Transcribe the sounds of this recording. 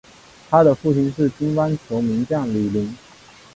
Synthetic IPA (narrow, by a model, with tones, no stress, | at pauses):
t̪ʰa˥d̪ə˨fu˥˩ɕi˥ŋʂɻ̩˥˩t͡ɕi˥nfa˥nt͡ɕʰjo˧˥ʊmi˧˥ŋt͡ɕjɑ˥˩ŋli˨˩li˧˥ŋ